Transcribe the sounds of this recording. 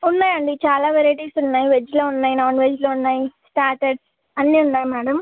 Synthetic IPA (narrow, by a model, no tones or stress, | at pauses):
unːaːjɐɳɖit͡ʃaːlaːʋɛɾɐʈiːsunːaːjiʋed͡ʒloːunːaːjinaːnʋeːd͡ʒloːunːaːjisʈaːʈɐɖs | ɐnːiunːaːjimɛːɽɐm